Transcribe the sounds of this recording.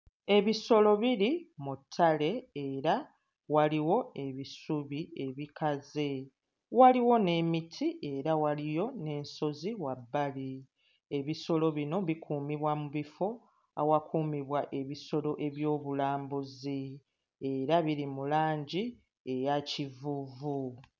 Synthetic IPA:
e̞βiso̞lo̞βiɾimutʰːale̞eɾa | waliwo̞e̞βisuβie̞βikaze̞ | waliwo̞ne̞mitʰiʔe̞ɾawalijo̞ne̞ːnso̞ziwabːali | e̞βiso̞lo̞βino̞βikʰuːmiβwamuβifo̞ | a̰wakʰuːmiβwaʔe̞βiso̞lo̞ʔe̞βjo̞ːβulaːmbuzi | e̞ɾaβiɾimulaːɲɟi | e̞jacivuvu

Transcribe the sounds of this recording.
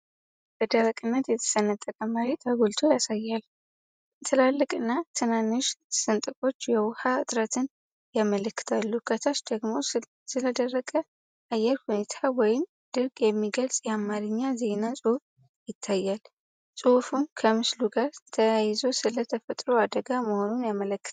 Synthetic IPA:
b̥əd̪əɾakʼɨnːət̪jɛt̪ʰə̥sənːət̪ʼːəkʼəmaɾit̪ʰʼaɡolt̪ʰojasajːal | t̪ʰɨlalːɨkʼɨnːat̪ʰɨnanːɨʃsɨnt̪ʼɨfʼo̞t͡ʃːjɛwʊhaɨt̪ʼɾət̪ʰɨn | jamələkːɨ̥t̪ʰalːukʰət̪ʰat͡ʃd̪əɡmo̞ | sɨləd̪ərːəkʼə | ʔajːɛɾhune̞t̪ʰawɔjɪm | d̪̥ɨɾkʼjɛmːiɡəlsʼjɛamaɾɨɲːaze̞nasʼuhf | jɪt̪ʰːajːal | sʼufunkʰəmɨsluɡaɾt̪ʰəjajɪzosɨlət̪ʰəfət̪ʼɾoad̪əɡaməho̞nunjamələkːɨ̥t̪ʰa

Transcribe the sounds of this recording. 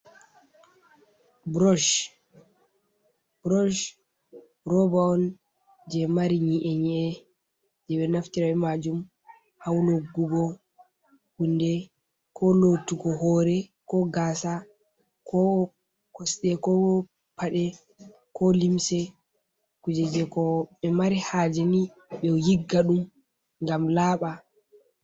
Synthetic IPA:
bɾɔʃ | bɾɔʃ | ɾɔbaɔn | d͡ʒɛmaɾiɲiʔɛɲiɛ | d͡ʒɛwɛnaftiɾawɛmad͡ʒum | hawloɡːuɡɔ | hundɛ | kʰɔlotuɡɔhɔɾɛkɔɡaːsa | kɔ | kɔsɗɛkɔ | pʰaɗɛ | kɔlimsɛ | kud͡ʒɛd͡ʒɛkɔɓɛmaɾihad͡ʒɛni | ɓɛjiɡːaɗum | ŋɡamlaːɓa

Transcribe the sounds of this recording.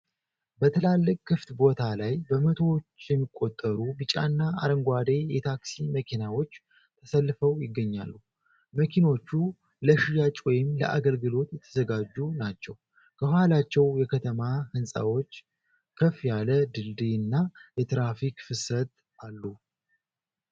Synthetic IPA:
bət̪ʰəlalːɨkʼkːɨft̪bo̞t̪ʰalajbəmət̪ʰo̞t͡ʃːjɛmːikʼːo̞t̪ʼːəɾubɨt͡ʃʼa̰nːaa̰ɾəŋɡʷad̪e̞jɛt̪ʰaksiməkʰinawo̞t͡ʃː | t̪ʰəsəlːfəwjɪɡːəɲːa̰lːu | məkʰino̞t͡ʃːu | ləʃijat͡ʃʼwɔjɪmlə̰ʔa̰ɡəlɡɨlo̞t̪jɛt̪ʰə̥zəɡad͡ʒːunat͡ʃːɛw | kʰəhhalat͡ʃːɛwjɛkʰət̪ʰəmahɨnsʼa̰wo̞t͡ʃː | kʰəfjaləd̪ɨld̪iɨnːajɛt̪ɾafikfɨsət̪ | ʔalːu

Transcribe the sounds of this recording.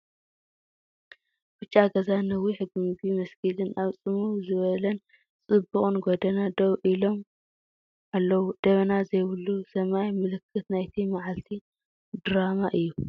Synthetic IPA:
b̥ɨt͡ʃʼːaɡɐzanɐwiħɨɡɨmɨɡimɐskʰilɨnʔaβt͡sʼɨmuwzɨβɐlɐn | t͡sʼɨbːuχʼɨnɡod̪ɐnad̪ɐβʔilo̞m | ʔalːɐwud̪̥ɐβɐnazɐjβɨlːusɐmajmɨlɨkʰːɨt̪najt̪ʰimaʕalt̪ʰi | d̪ɾamaʔɨjːu

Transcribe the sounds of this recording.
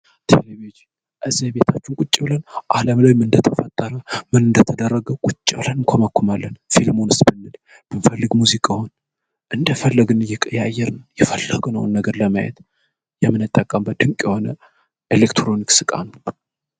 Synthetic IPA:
t̪ʰḛleβid͡ʒi | ʔɨzːihbet̪ʰat͡ʃːɪnkʼut͡ʃʼːɪblənʔaləmləjmɨnd̪ət̪ʰəfət̪ʼːəɾəmɨnɨnd̪ət̪ʰəd̪ərːəɡəwkʼʊt͡ʃʼːiblənɨŋkʷʰoməkːumalːənfilmonɨsbɨnːɨl | b̥ɨnfəlːɨɡmuzikʼahon | ʔɨnd̪əfəlːəɡɨnɨjɛkʼəjajːɛɾnəwjɛfəlːəɡunəwnːəɡəɾləmajɛ̰t̪ | jɛmːɨnɨt̪ʼːəkʼəmbəd̪ɨŋkʼjɛho̞nə | elekt̪ʰɾo̞niksɨkʼa̰nə

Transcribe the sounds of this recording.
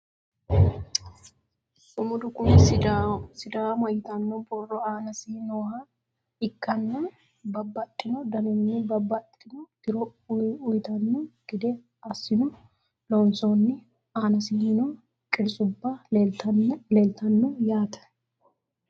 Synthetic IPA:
sʊmʊd̪ʊkʊn | sɪd̪aːwmɔjɪt̪ɐnːɔbɔrːɔaːnɐsɪnoːha | ɪkːɐnːɐ | bɐbːɐt̪ʼːɪnɔd̪ɐnɪnːɪbɐbːɐt̪ʼːɪnɔd̪̥ɪɾɔʊjt̪ɐnːɔɡ̥ɪd̪ɛ | ɐsːɪnʊ | lonsonːɪ | aːnɐsɪnɔ | kʼɪɾsʼʊbːɐeɐnleːlt̪ɐnːɔjaːt̪ɐ̥

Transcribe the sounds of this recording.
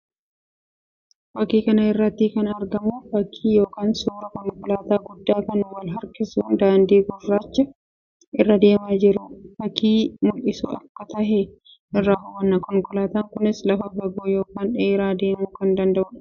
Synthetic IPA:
fɐkːiːkɐnɐɪrːɐt̪ːiːkɐnɐːɾɡɐmuːfɐkʰːiːjo̞ːkaːnsuːɾɐkɔŋkʊlaːt̪aːɡʊd̪ːaːkɐnwɐlɦɐɾkɪsuːnd̪aːnd̪iːɡʊrːaːt͡ʃːɐ | ʔɪrːɐd̪e̞ːmaːd͡ʒɪɾʊfɐkːiːmʊlɪsṵːɐ̰kːɐt̪ɐɦɛ | ʔɪrːaːfʊwɐnːɐkɔŋkʊlaːt̪aːŋkʊnɪslɐfɐɡɐboːjo̞ːkaːnᶑeːɾaːd̪e̞ːmuːkɐnd̪ɐnd̪ɐʔʊ

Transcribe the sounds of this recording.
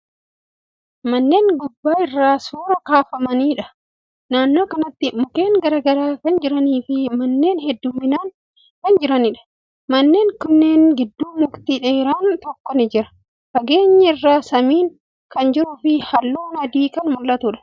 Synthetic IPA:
mɐnːe̞ːŋɡʊbːaːɪrːaːsuːɾɐkaːfɐmɐniːᶑɐ | naːnːo̞ːkɐnɐt̪ːɪmʊke̞ːŋɡɐɾaːɡɐɾaːkɐnd͡ʒɪɾɐniːfɪmɐnːe̞ːnhɛd̪ːʊmːɪnaːn | kɐnd͡ʒɪɾɐnɪᶑɐ̥ | mɐnːe̞ːŋkʊnːe̞ːŋɡɪd̪ːuːmʊkt̪iᶑeɾaːnt̪ɔkːɔnɪd͡ʒɪɾɐ̥ | fɐɡe̞ːɲːɐɪrːaːsɐmiːŋ | kɐnd͡ʒɪɾʊfɪhɐlːuːnɐd̪iːkɐnmʊlːɐt̪ʊᶑɐ̥

